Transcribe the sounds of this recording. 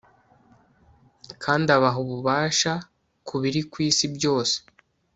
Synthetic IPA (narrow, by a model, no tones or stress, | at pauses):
kʰaːndaβaɦuβuβaːʃa | kuβiɾikwiːsibjo̞ːse̥